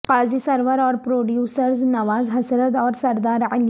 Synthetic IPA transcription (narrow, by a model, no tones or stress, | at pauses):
qaːzisɐɾʋəɾɔːɾpɾoːɖjuːsəɾznɐʋaːzɦɐsɾət̪ɔːɾsɐɾd̪aːɾɪl